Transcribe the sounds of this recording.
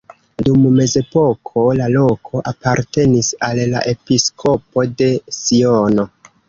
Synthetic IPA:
dumːe̞ze̞po̞kʰo̞lalo̞kʰo̞ʔapaɾte̞nisalːa̰ʔe̞piskʰo̞po̞de̞sio̞no̞

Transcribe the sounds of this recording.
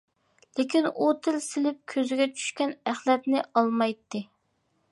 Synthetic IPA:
lɪkʲinut̪ʰɪlsɪlɪp̚kʲʰøzɪɡʲɛt͡ʃʰy̥ʃkʲɛnæχlɛt̪nɪʔɑlˠmɑjt̪ːɨ

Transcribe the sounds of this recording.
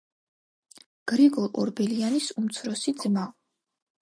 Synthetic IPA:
ɡ̥ɾiɡɔlˠʔʼɔ̰ɾbɛlianisumt̪sʰɾɔsid̪zma

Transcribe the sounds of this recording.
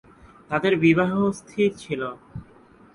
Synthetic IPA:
t̪ad̪eɾbiβaɦost̪ʰitt͡ɕʰilo

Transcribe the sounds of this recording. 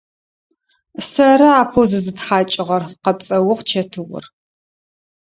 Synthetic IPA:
sɐɾɐaːpʰozɨzɨtχaːt͡ʃʼɪʁɐrqɐp̚t͡sʼɐwʊqt͡ʃʰɐtʰɨwʊ̰r

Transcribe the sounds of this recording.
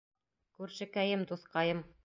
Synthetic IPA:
kʉɾʃɘ̆kæjɘmd̪uθqɑjɤm

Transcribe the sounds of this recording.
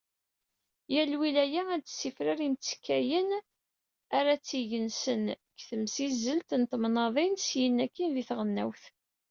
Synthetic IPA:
jælwilæjææt̪ːsifɾaɾimt͡sːkːæjən | aɾat͡sːiʝənsən | kθəmsizːəlt̪nt̪mnɑðˤinsjənːækːinðiθʁənːæ̰wθ

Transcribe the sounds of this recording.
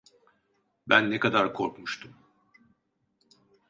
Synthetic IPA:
bænːɛkad̪aɾkʰo̞ɾkmuʃt̪ʰum

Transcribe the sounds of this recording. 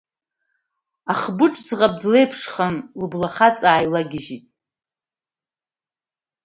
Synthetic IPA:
aχbɨʈ͡ʂʼzʁap̚dle̞jpʰʂχanlɨblaχat͡sʼaːjlaɡʲɪʒitʼ

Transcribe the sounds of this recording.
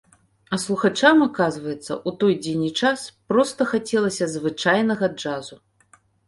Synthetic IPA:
ɐslˠuxat͡ʂamakazvɐjɛt̪sːɐ̰ʔut̪ɔjd͡zʲenʲit͡ʂaspɾɔst̪ɐxat͡sʲɛlˠɐsʲɐzvɨt͡ʂajnɐɣɐd͡ʐazu

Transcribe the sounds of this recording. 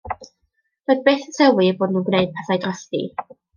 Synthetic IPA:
roɨð̚beːθətʰəwiboːdnuːnɡwneɨd̥̚pʰaθajdrɔstḭ

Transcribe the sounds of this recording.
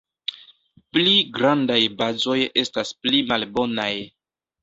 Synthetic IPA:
pliɡɾandajbazo̞je̞stasplimalbo̞naj

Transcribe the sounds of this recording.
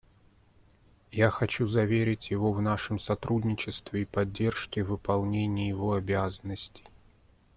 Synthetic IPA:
jaxɐt͡ɕuzɐvʲeɾʲɪtʲjɪvovnaʂɨmsɐt̪ɾʔudʲnʲɪt͡ɕɪst̪vʲɪipɐdʲːe̞rʂkʲɪvɨpɐlˠnʲenʲɪjjɪvoɐbʲazənːəsʲtʲɪ̥j

